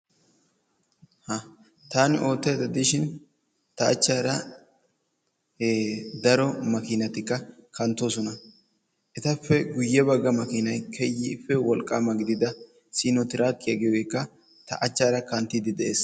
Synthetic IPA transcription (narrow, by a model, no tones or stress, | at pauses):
hɐ | t̪aːnɪʔo̞ːt̪ːɛjd̪ɐd̪ɪʃɪn | t̪ɐɐ̰t͡ʃːaːɾɐ | d̪ɐɾɔmɐkɪnɐt̪ɪkːɐkɐnt̪ːoːsɔnɐ | ʔɛt̪ɐfːɛɡʊjːɛbɐɡːɐmɐkɪnɐjkʰɛjːɪfːɛwɔlkʼːaːmɐɡɪd̪ɪd̪ɐ | siːnɔt̪ɪɾaːkʼːɪjɐɡɛwekːɐ | t̪ɐ̰ʔɐt͡ʃːaːɾɐkɐnt̪ːid̪ɪd̪ɛʔe̞ːs